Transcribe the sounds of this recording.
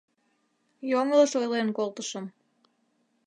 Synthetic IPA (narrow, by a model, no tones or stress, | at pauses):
joŋələʃojlenkolt̪əʃəm